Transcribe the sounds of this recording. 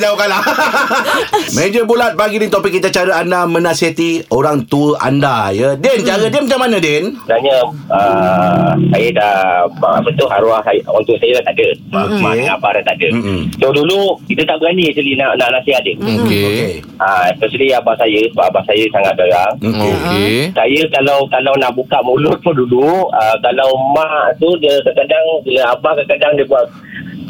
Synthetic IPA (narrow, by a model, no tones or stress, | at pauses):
d͡ʒaukala | mẽd͡ʒəbulat̪̚baɡidɪnt̪opikit̪at͡ʃaɾəandamə̃nãsiɦat̪ioɾaŋt̪uəʔa̰ndajədɛnt͡ʃaɾədiəmat͡ʃaŋmanãdɛnənaɲəə | sajədaa̰bət̪uɦaɾuahsajʔwaŋt̪uəsajəlat̪adəaokmaŋabaɾat̪adəsodulukit̪ət̪aʔbəɾanisulinaʔnaʔnaʔsiadəok | əɛspɛsəliabaʔsajəsəbaʔabaʔsajəsaŋat̪̚ɡaɣaŋkesajəkalawkalawnaʔbukaʔmulʊt̪̚pʊduluəkalawmaʔʔt̪udək̪əkədaŋkiləabakəkədaŋdəbuaʔ̪